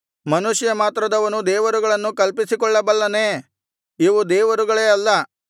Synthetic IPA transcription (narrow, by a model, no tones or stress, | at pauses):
mɐnuʃjɐmaːt̪ɾɐd̪ɐʋɐnud̪ɛːʋɐɾuɡɐɭɐnːukɐlpisikɔɭːɐbɐlːɐneː | iʋud̪ɛːʋɐɾuɡɐɭeːɐlːɐ